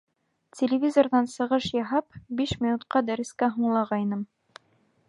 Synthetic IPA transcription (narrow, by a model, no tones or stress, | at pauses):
tʲɪlʲɪvʲizorðɑnsɤ̆ʁɤʃjɑɦɑpbiʃmʲɪnut̪qɑd̪æɾɘ̆skæɦuɴlˠɑʁɑjnɤm